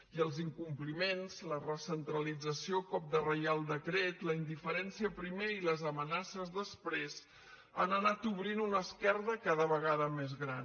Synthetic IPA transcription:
iəlˠziŋkumplimenz̥lərəsənt̪ɾəlid͡zəsiokɔp̚d̪ərəjalˠd̪əkɾɛt̪ləind̪ifəɾɛnsiəpɾimeiləzəmənasəzðəspɾez | anənat̪uβɾinunəskɛrðəkaðəβəɣaðəmezɣɾan

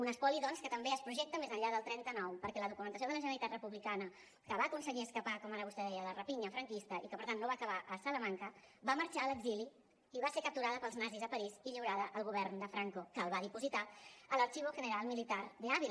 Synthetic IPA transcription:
unəspɔliðɔnskət̪əmbeəspɾuʒɛk̚t̪əmezəɲʎaðəlˠt̪ɾɛnt̪ənɔwpəɾkɛləðukumənt̪əsioðələʒənəlit̪at̪rəpuβlikanə | kəβaːkunsəɣiəskəpakɔmaɾəβust̪ɛðɛjələrəpiɲəfɾəŋkist̪əʔikəpəɾt̪anːoβakəβaʔəsələmaŋkəβaməɾt͡ʃaələɡzili | iβasekəp̚t̪uɾaðəpəlˠznazizəpəɾiziʎiwɾaðəʔəlˠɣuβɛɾnd̪əfɾaŋkokəːlˠβaðipuzit̪aələɾt͡ʃiβ̞uʒənəɾalˠmilit̪aɾd̪əaβi

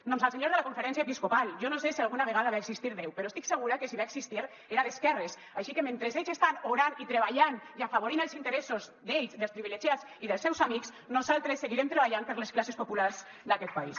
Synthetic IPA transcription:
d̪omsalˠseɲoɾzðelakũɱfeɾɛns̬jaepiskopalˠʒɔnosesialˠɣunaβeɣaðaβaeksist̪iɾðɛwpeɾɔoest̪ikseɣuɾakesiβaeksist̪iɾ | eɾaðeskɛres | aʃikemẽnt̪ɾezeʎsest̪anoɾanit̪ɾeβ̞aʎanjafaβoɾinəlsint̪eɾesozd̪eʎsd̪elspɾiβileʒiat͡s | iðəlˠsɛwzamikz | nozalˠt̪ɾesːeɣiɾemt̪ɾeβ̞aʎampəɾlesklasespopulaɾz | d̪akɛt̪̚pais

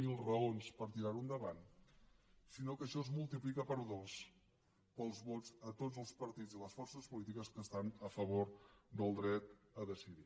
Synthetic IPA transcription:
ilˠrəonspəɾt̪iɾaɾund̪əβan | sinokəʃɔzmulˠt̪iplikəpəɾðos | pəlˠzβɔzət̪od͡zəlˠspəɾt̪id͡ziləsfɔrsəspulit̪ikəskəst̪anəfəβ̞oɾd̪əlˠd̪ɾɛt̪ | əðəsiði

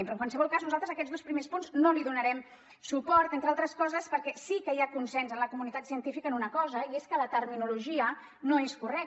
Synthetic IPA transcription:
mpɾoəŋkwalˠsəβɔlˠkaznuzalˠt̪ɾəzəkɛdzðospɾimespunznoliðunəɾɛm | supɔɾt̪ent̪ɾalˠt̪ɾəskɔzəspəɾkɛsikəjakunsɛnzənləkumunit̪at̪siənt̪ifikəːnunəkɔzəieskələt̪əɾminuluʒiə | noeskurɛk̚

